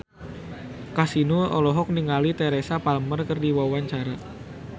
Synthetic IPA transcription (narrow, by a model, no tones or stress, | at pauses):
kasinuɔ̰lɔɦɔk̚niŋalit̪ɛɾesapaləmərkərdiwawaɲt͡ʃaɾa